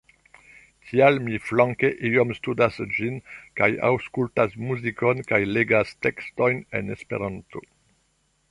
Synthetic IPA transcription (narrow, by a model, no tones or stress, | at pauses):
kʰialmiflaŋkeʔiomstudasd͡ʒinkaja̰wskultasmuzikonkajleɡasteksto̞jnḛnespḛɾanto